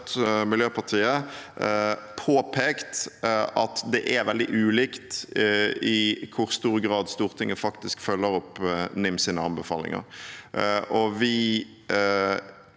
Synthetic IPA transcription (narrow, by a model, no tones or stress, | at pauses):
t̪mɪljøːpʰɑʁt̪ʰiːə | pʰoːpʰɛːkt̪ɑt̪d̪ɛʔɛɾʋɛld̪ɪ̰ʔʉːliːkt̪ | ɪkʰʊɾst̪uːɾɡʁɑːd̪st̪uːʁt̪ʰɪŋːəfɑkt̪ɪskfœlːəɾɔpnɪmsiːnəɑmbəfɑ̰ːlɪ̰ŋə̰ɾ | ʔɔʋɪ